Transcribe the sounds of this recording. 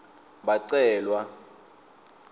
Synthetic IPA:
baǀɛːlwa

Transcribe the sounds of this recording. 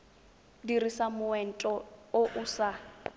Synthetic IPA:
dirisamʊɛn̩tʼɔoʔusa

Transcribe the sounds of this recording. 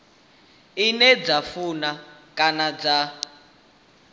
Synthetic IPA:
inɛd͡zafunakʼanad͡za

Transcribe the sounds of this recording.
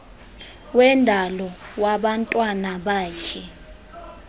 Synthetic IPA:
wɛndʱalɔwaɓantʼwanaɓaːt͡ʃʰɛ

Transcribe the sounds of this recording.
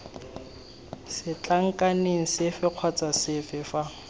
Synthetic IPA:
sɪt͡ɬʼaŋ̩kʼaneŋ̩sɪfɪq͡χʰwat͡sʼasɪfɪfa

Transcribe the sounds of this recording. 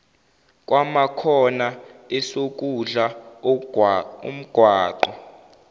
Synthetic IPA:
k̬ʼwamakʰɔnaɛsok̬ʼuɮa | ṵm̩ɡ̥ʱwaːǃɔ

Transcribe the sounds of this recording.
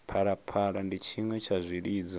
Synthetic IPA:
pʰaɺapʰaɺandit͡ʃʰimwɛt͡ʃʰazʷiɾiːd͡za

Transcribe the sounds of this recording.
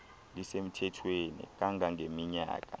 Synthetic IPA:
lisem̩tʰɛtʰweːnḭk̬ʼaŋʱaŋemiɲa̰ːk̬ʼa̰

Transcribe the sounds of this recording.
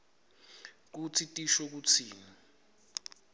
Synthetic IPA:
k̬ut͡sʰitʼiʃɔk̬ut͡sʰiːni

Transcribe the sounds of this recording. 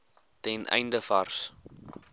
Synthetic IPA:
tɛnʔɛ̰jndəfɐrs

